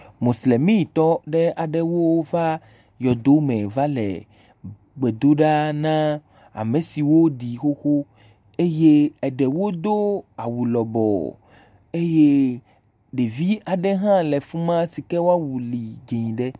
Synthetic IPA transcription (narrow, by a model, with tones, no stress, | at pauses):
mõ˨sle˨mĩ˦˨t̪ɔ˦ɖɛ˦a˨ɖɛ˦wo˦va˦ | jɔ˨d̪o˦mɛ̃˨va˦lɛ̰˨ | ɡ͡bɛ˨d̪o˦ɖa˦nã˦ | a̰˨mẽ˨si˨wo˦ɖi˨xo˦xo˦ | e˦je˦ɛ˨ɖɛ˨wo˦d̪o˦a˨wu˨lɔ˨bɔ̰˨ | e˦je˦ | ɖe˨vi˦a˨ɖɛ˦ɦã˦lɛ˨fũ˦mã˦si˨kɛ˦wo˦a˦wu˨li˨d͡ʒe˨ɲĩ˨ɖɛ˦